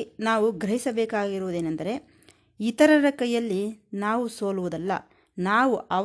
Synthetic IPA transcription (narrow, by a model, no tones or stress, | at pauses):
naːʋuɡɾɐɦisɐbɛːkaːɡiɾuʋːd̪eːnɐnd̪ɐɾe̞ | it̪ɐɾɐɾɐkɐjɐlːinaːʋuso̞ːluʋud̪ɐlːɐ̰ | naːʋuʔɐ